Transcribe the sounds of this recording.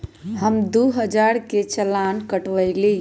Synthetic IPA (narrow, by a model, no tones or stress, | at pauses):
həmd̪uɦəd͡ʒaɾket͡ʃəlankəʈʋəjli